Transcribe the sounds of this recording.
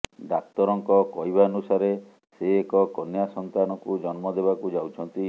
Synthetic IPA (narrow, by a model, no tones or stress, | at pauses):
ɖak̚t̪ɔɾɔŋkɔkɔjbaɔnusaɾe | seːkɔkɔnjasɔnt̪anɔkud͡ʒɔnmɔd̪eβakud͡ʒawt͡ʃʰɔnt̪i